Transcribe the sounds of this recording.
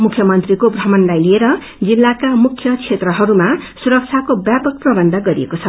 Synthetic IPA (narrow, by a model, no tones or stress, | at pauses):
mukʰjʌmʌnt̪rikobrʌmʌnlajlieɾʌ | d͡zilːakamukʰjʌkʰet̪rʌɦʌɾumasuɾʌk̚t͡sʰakobjapʌk̚prʌbʌnd̪ʱʌɡʌɾḭekot͡sʰʌ